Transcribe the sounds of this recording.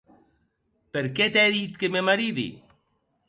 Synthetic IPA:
peɾket̪ɛðit̪kememaɾiðḭ

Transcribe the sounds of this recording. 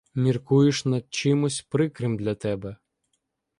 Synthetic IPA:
mʲirkujɪʃnɐd̪̚t͡ʃɪmʊsʲpɾɪkɾɪmd̪lʲɐt̪ɛbɛ

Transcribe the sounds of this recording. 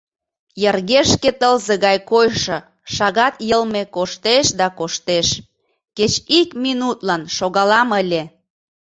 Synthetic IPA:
jərɣeʃket̪əlzeɣɑjkojʃɤ̆ | ʃɑɣɑt̪jəlmekoʃt̪eʃd̪ɑkoʃt̪eʃ | ket͡ɕikminut̪lɑnʃoɣɑlɑməlʲe

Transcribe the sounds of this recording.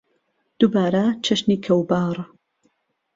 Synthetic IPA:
d̪̥ubaːɾɐt͡ʃʰɐʃniːkʰɐwbaːrˤ

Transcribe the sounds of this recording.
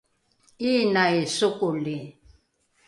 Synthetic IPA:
iːnajsʊkʊlɪ

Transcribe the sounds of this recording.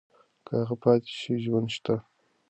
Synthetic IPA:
kʰəaɣapɑːt̪e̥ʃiʒwand̪ʃt̪a

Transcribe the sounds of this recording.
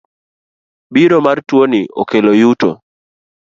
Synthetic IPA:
biɾomartwoniʔɔ̰kelojuto̰

